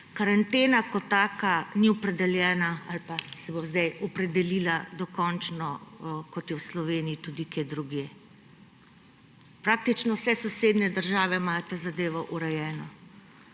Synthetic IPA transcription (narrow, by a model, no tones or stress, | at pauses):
kaɾant̪eːnakɔt̪ːaːkaniɔpɾɛd̪ɛljɛːnaalpasɛbozd̪ajɔpɾɛd̪ɛlilad̪ɔkɔnt͡ʃnɔkɔt̪jɛwslɔʋeːniit̪ud̪ikeːd̪ɾuɡjeː | pɾaːk̚t̪it͡ʃnɔwsɛsɔseːd̪nɛd̪əɾʒaːʋɛmat̪ɛzad̪eːʋɔʔuɾɛjɛːnɔ